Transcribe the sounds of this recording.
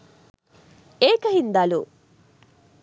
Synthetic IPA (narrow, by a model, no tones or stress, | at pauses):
eːkɐɦind̪alu